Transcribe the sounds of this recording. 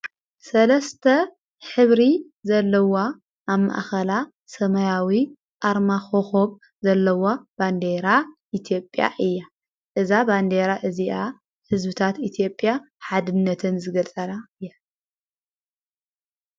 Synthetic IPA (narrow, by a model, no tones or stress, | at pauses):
sɐlɐst̪ʰɐ | ħɨβɾi | zɐlːɐwa | ʔːβma̰ʔxɐla | sɐmɐjawi | ʔaɾmaxoxoβ | zɐlːɐwab̥and̪eɾaʔit̪ʰijo̞pʼja̰ʔɨjːa | ʔɨzaband̪eɾaʔɨziʔa | hɨzbɨt̪ʰat̪it̪ʰjo̞pʼːja | ħad̪ɨnːɐt̪ʰɨnzɨɡɐlt͡sʼɐnaɨjːa